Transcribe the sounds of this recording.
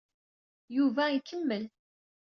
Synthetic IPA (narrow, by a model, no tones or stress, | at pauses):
juvæikʰːəmːəl